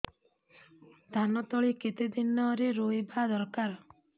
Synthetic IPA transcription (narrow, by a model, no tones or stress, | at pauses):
d̪ʱanɔt̪ɔɭiket̪ed̪inɔɾeɾoebʱad̪ɔɾkaɾ